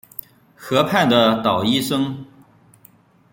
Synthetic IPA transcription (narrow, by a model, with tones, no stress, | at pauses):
xɤ˧˥pʰa˥˩nd̪ə˩t̪ɑ˨˩ʊi˥˩ʂɤ˥ŋ